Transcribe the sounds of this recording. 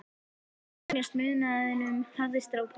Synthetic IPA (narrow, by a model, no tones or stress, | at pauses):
ljast̪mɪðnaðɪnʏmθarːɪst̪ɾawpʰ